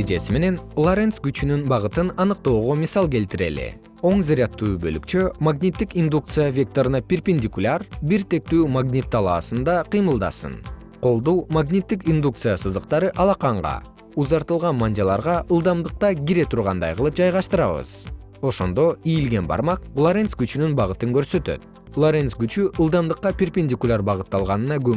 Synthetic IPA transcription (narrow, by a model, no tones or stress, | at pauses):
ed͡ʒe̞sime̞ne̞nlˠoɾʲent̪sɡyt͡ʃynynbɑʁɯt̪ɯnɑnɯq̚t̪o̞ːʁo̞misɑlˠke̞lt̪iɾe̞̰lḭ | o̞ɴzeɾʲɪat̪ːuːbø̞̰ly̰kt͡ʃømaɡnʲit̪ːikind̪uk̚t̪sɨjavʲe̞k̚t̪o̞ɾɯnɑpʲerpʲenʲd̪ʲikulʲarbiɾt̪e̞k̚t̪yːmaɡnʲit̪ʰːɑlˠɑːsɯnd̪ɑqʰɨjmɯlˠd̪ɑ̰sɯ̰n | qʰo̞lˠd̪uːmaɡnʲit̪ːikind̪uk̚t̪sɨjasɯzd̪ɯqt̪ɑɾɯʔɑlˠɑqɑɴʁɑ̰ | uzɑɾt̪ɯlˠʁɑnmanʲdʲalˠɑɾʁɑʔɯlˠd̪ɑmd̪ɯq̚t̪ɑɡʲiɾe̞t̪ʰuɾʁɑnd̪ɑ̰jqʰɯlˠɯp̚d͡ʒɑjʁɑʃt̪ɯɾɑβɯ̰z̥ | o̞ʃo̞nd̪o̞ijilɡe̞nbɑ̰ɾmɑqlˠoɾʲensɡyt͡ʃynynbɑʁɯt̪ɯŋkø̞ɾsø̞t̪ø̰t̪̚ | lˠoɾʲe̞nsɡyt͡ʃyʔɯlˠd̪ɑmd̪ɯqːɑpʲerpʲenʲd̪ʲikulʲaɾbɑʁɯt̪ːɑlˠʁɑnɯnɑɡø